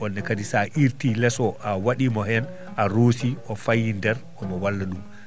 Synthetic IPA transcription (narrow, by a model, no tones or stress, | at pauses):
ɔnːɛkadisaʔiɾtilɛsɔʔawaɗimɔhɛn | ʔaɾosiʔɔfajːindɛɾ | ɔmɔwalːaɗum